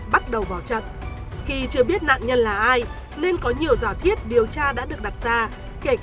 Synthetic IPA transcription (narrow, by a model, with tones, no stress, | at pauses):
ɓa˦˥t̚ɗə˨˩wvaː˨˩wt͡ɕə̰˧˨n | xi˧t͡ɕɨ˧əɓi˦˥ət̚na̰ː˧˨ŋɲə˧nlaː˨˩ʔaː˧j | ne˧nkɔ˨˦ɲi˨˩əwzaː˧˩t̪ʰi˦˥ət̚ɗi˨˩əwt͡ɕaː˧ɗa̰ː˧˥ɗɨ˨˩ək̚ɗa˨˩t̚z̥aː˧ | ke˧˩k